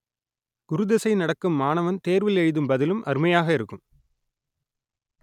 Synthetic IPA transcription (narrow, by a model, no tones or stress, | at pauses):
ɡ̥ʊɾɯðɛsɐɪnɐɽɐkːɯmːaːnɐʋɐnt̪eːɾʋɪlɛɻðɯmbɐðɪlɯmʔɐ̰ɾmɐjaːɣɐɪɾɯkːɯm